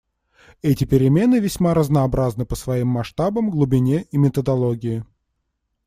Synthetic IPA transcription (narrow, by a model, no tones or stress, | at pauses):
ɛtʲɪpʲɪɾʲɪmʲe̞nɨvʲɪsʲmaɾəznəːbɾaznɨpəsvɐimːɐʂt̪abəmɡlˠʊbʲɪnʲeʔimʲɪt̪əd̪ɐlˠoɡʲɪjɪ